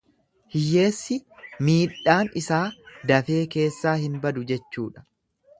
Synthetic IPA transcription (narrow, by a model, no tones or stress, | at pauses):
hɪjːe̞ːsːɪmiːᶑːaːnɪsaːd̪ɐfe̞ːke̞ːsːaːhɪnbɐd̪ʊd͡ʒɛt͡ʃːuːᶑɐ̥